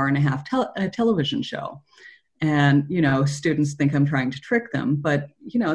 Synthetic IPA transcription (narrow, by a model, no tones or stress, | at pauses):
ɨ̃nɨɦæftʰɛɨtʰɛlˠəvɪʒɨ̃n̩ʃo̰ʊ | ɨ̃njɨɾ̃oʊstʉdⁿn̩tsθɪ̃ŋkãɪ̃mtɹ̥aɪɪ̃ŋtʰɨtʰɹ̥ɪk̚ðə̰̃mb̥ʌt̚jɨñoʊ